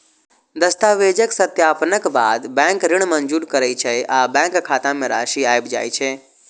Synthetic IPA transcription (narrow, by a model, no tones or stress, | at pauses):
d̪əst̪aːʋeːd͡ʒəksət̪jaːpnəkba̰ːd̪bɛ̃ːŋkɾɪɳmənd͡ʒuːɾkəɾəit͡ʃʰɛʔabɛ̃ːŋkkʰːaːt̪ãmẽɾa̰ːʃiaːjbd͡ʒa̰ːjt͡ʃʰe